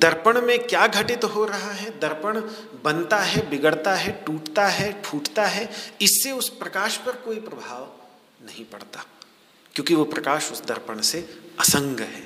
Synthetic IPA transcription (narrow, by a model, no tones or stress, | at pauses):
d̪ɐɾpəɽ̃mẽkjaːɡʱɐʈɪt̪ɦoɾɐɦaɦɛd̪ɐɾpəɽ̃ | bɐ̃nt̪aɦɛbɪɡəɽt̪aɦɛʈuːʈt̪aɦɛʈʰuːʈt̪aɦɛɪsːeʊspɾɐkaːʃpɐɾkoːipɾɐbʱaːʋ | nɐɦĩpɐ̰ɽt̪aː | kjõːkiʋopɾɐkaːʃʊsd̪ɐ̰ɾpəɽ̃seɐsə̃ŋɡʱəɦɛ̰ː